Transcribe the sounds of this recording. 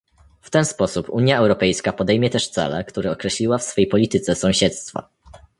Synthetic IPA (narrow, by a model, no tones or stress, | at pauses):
ft̪ɛnspɔsupuɲjaɛwɾɔpɛjskapɔd̪ɛjmʲjɛt̪ɛʂt̪sɛ̰lɛ̰kt̪uɾɛɔkɾɛɕlʲiwafsfɛjpɔlʲit̪ɘt̪sɛsɔ̃w̃ɕɛt̪st̪fa̰